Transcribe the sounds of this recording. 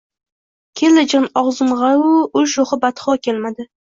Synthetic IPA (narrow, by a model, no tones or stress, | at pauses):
kʲʰelɪd͡ʒɪnɒʁzɨmʁɑʊʊlʃoχɨbat̪χɒkʲʰelmad̪ɪ